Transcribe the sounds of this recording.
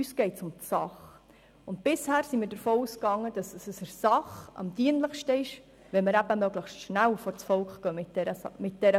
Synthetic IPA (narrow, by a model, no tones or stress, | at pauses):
ysɡ̥ɛɪtsʊmtsɑχ | ʊnt̚b̥ɪshæːɾsimiːɾdəɾfoːuːskɑŋːəd̥ɑsəsəsəɾsɑχɑ̰mdiənləχʃtəɪʃ | ʋɛlməɾæbəmœɡləχʃtʃnælfɔɾt͡sfɔlkχɡ̥œːɪəmɪt̚d̥ɛɾə